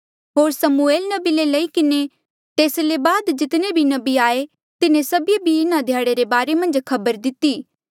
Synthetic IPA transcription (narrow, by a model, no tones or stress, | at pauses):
ɦoːɾsɐmueːlnɐbilelɐikɪne | t̪eːslebaːd̪d͡ʒɪt̪nebʱinɐbiaːe | t̪ɪnẽsɐbijebʱiɪnad̪ʱjaːɽeɾebaːɾemɐ̃nd͡ʒkʰɐbəɾd̪ɪt̪iː